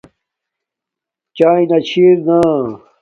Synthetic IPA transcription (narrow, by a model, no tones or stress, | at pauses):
t͡ɕaːĩnɐt͡ɕʰiɾna